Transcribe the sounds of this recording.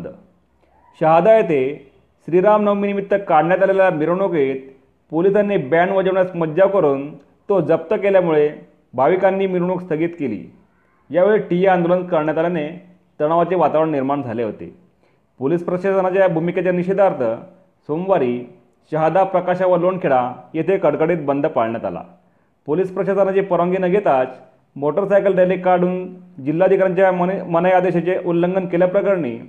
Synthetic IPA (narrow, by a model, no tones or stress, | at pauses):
d̪ə | ɕəɦad̪ajet̪e | ɕɾiɾamnəwminimit̪ːəkaɽɳjat̪alellamiɾɳoket̪ | polisanːebæɳʋəd͡ʑəʋɳjasməd̪d͡ʑaʋkəɾuːn | t̪od͡zəp̚t̪əkeljamuɭe | bʱaʋikanːiːmiɾɳuːkst̪ʰəɡiːt̪kelḭː | jaʋeɭeʈijeand̪olənkəɾɳjat̪alane | t̪əɽ̃aʋat͡seʋat̪aʋɾəɳniɾmaɳd͡zʱaleɦo̰t̪ḛ | polispɾəɕasənat͡ɕjabʱumikat͡ɕjaniɕed̪ʱaɾt̪ʰə | somʋaɾiː | ɕəɦad̪apɾəkaɕaʋəɾloɳkʰeɭajet̪ʰekəɽkəɽiːt̪̚bənd̪ʱpaɭɳjat̪a̰la̰ | polispɾəɕasənat͡ɕepəɾʋəŋɡiːnəɡʱet̪at͡s | moʈəɾsajkəlɖelikaɾɖuːnd͡ʑilːaəd̪ʱikaɾjaɲt͡ɕjamənəjad̪eɕat͡ɕeʔulːəŋɡənkeljapɾəkaɾɳḭː